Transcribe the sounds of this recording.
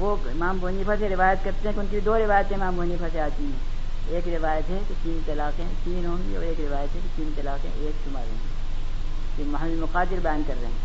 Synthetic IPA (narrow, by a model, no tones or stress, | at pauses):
ʋo | ɪmaːmbʊnifaseɾɪʋaːjət̪kɐɾt̪eɦɛ̃kʊnkibʱid̪oːɾɪʋaːjət̪ẽɪmaːmbʱoɦnifʰaseaːt̪iɦɛ̃ː | eːkɾɪʋaːjət̪ɦɛket̪iːnt̪ɐlaːkɦẽt̪iːnɦõːŋɡḭɔ̰ːɾeːkɾɪʋaːjət̪ɦɛ̃ket̪iːnt̪ɐlaːkɦɛ̰̃eːksʊmaɾɦo̰ːŋɡi | kemɐɦlɪlmʊqaːd̪ɪɾbɐjãːnkɐɾɾḛɦɛ̃